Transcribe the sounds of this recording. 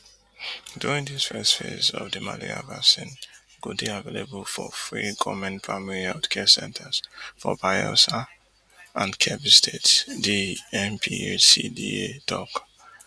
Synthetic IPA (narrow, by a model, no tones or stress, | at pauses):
duɹĩŋdiz̥fɛstfezɔvdəma̰leɹa̰vasĩn | ɡ̥uddiavelebəlfɔfɹikʰɔmə̃nfamiliaʊtkʰɛsɛ̰̃ntʰəz̥fɔbajosa | ʔãnkʰɛbistʰetdiɛmpʰisidiedɔk